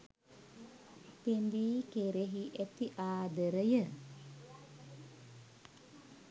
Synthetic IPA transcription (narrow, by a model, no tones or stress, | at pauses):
t̪end̪ikeɾeɦiʔɛt̪iʔaːd̪əɾəjə